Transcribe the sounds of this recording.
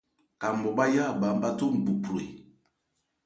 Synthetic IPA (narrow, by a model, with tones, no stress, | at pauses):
ka˨m˨bɔ˨ɓa˦ja˦˨ba˨m˨ba˦to˦m̩˨bu˨pu˨ɾe˨